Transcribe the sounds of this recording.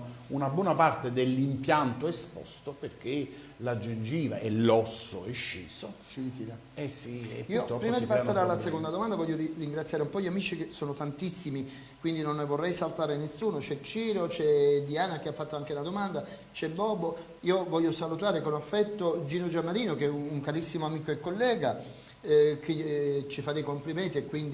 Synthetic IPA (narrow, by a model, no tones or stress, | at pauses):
unabwɔnapart̪ed̪elːimpjant̪oespɔ̰st̪operk̟e | lad͡ʒend͡ʒiːva̰ʔɛlːɔsːo̰ɛʃːiːsosiɾit̪iːɾa | ɛsiɛ̰piːot̪ɔpɾiːmad̪ipasːaːɾealːasekond̪ad̪omand̪avɔʎːoɾiriŋɡɾat̪sjaːɾeumpɔʎːiamiːt͡ʃikesːoːnot̪ant̪isːimi | kwind̪inonːvorːɛjsalt̪aːɾenesːuːnot͡ʃɛt͡ʃːiːɾot͡ʃɛd̪iaːnak̟eafːat̪ːoaŋkelad̪omand̪a | t͡ʃɛbːɔbːo | iːovɔʎːosalut̪aːɾekonafːɛt̪ːod͡ʒiːnod͡ʒamːaɾiːnok̟eɛuuŋkaɾisːimoamiːkoekːolːɛːɡa | ket͡ʃːifad̪ejkompliment̪iekːwind̪i